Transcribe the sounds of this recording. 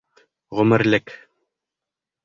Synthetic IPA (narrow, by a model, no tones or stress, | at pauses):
ʁɵ̆mɘ̆ɾlɘk